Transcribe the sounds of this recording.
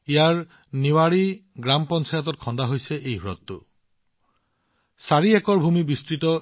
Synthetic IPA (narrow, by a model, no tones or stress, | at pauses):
ijaɹ | niwaɹiɡɾampɔnsʰajat̪ɔt̚kʰɔnd̪aɦojseʔejɦuɾɔ̰t̪ːṵ | saɹiɛkɔɹbʱumibistɹitɔ